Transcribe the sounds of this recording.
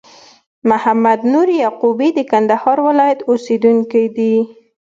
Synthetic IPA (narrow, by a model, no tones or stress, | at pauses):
mʊhamad̪nuɾjaqubid̪əkand̪ahɑɾwɪlɑjat̪osed̪uŋkid̪i